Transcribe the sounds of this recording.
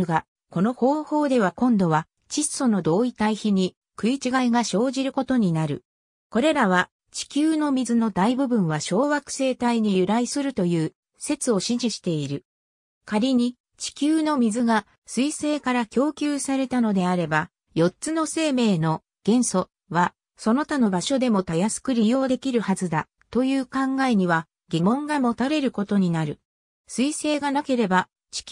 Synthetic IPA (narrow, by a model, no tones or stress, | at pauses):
ɡa | ko̞no̞ho̞ːho̞ːd̪e̞βakõ̞nd̪o̞β̞a | t͡ɕiso̞no̞d̪o̞ːit̪aiçiɲ̟i | kɯ̟it͡ɕiɡaiɡaɕo̞ːʑiɾɯ̟ko̞t̪o̞ɲ̟inaɾɯ̟̰ | ko̞ɾe̞ɾaβ̞a | t͡ɕi̥kʲɨːno̞mʲizɨno̞d̪aibɯ̟bɯ̟̃ɰ̃βaɕo̞ːβakɯ̟̥se̞ːt̪aiɲ̟ijɯ̟ɾaisɨɾɯ̟t̪o̞jɯ̟ː | se̞t͡sɨo̞ɕĩɲd͡ʑiɕi̥t̪e̞iɾɯ̟ | kaɾʲiɲ̟i | t͡ɕi̥kʲɨːno̞mʲizɨɡa | sɨise̞ːkaɾakʲo̞ːkʲɨːsaɾe̞t̪ano̞d̪e̞aɾe̞ba | jo̞tt͡sɨno̞se̞ːme̞ːno̞ | ɡ̥ẽ̞ɰ̃so̞ | βa | so̞no̞t̪ano̞baɕo̞d̪e̞mo̞t̪ajasɨ̥kɯ̟ɾʲijo̞ːd̪e̞kʲiɾɯ̟hazɨd̪a | t̪o̞jɯːkãŋɡae̞ɲ̟iβa | ɡ̥ʲimõ̞ŋɡamo̞t̪aɾe̞ɾɯ̟ko̞t̪o̞ɲ̟inaɾɯ̟ | sɨise̞ːɡanake̞ɾe̞ba | t͡ɕi̥